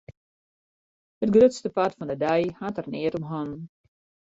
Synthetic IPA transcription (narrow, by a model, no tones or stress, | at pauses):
hətɡrøtstəpatfɔndədɛjhaːtərnɪːɾɔmɦɔn